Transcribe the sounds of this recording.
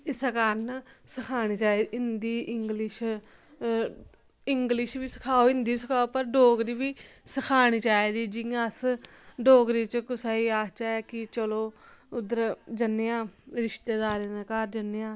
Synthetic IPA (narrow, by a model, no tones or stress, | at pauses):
ɪsakaɾnsəkʰaːniːt͡ʃaːed̪iɪnd̪iːɪŋɡlɪʃ | ɪŋɡlɪʃʋiːsə̥kʰaːoːɪnd̪iːsəkʰaːoːpəɾɖoːɡɾiːʋiːsəkʰaːɽ̃iːt͡ʃaːeːd̪iːd͡ʒɪãs | ɖoːɡɾiːt͡ʃkʊsaːiːaːst͡ʃaːkɪt͡ʃəloːʊd̪əɾd͡ʒənːejãːɾɪʃt̪eːd̪aːɾenakaːɾd͡ʒənːejãː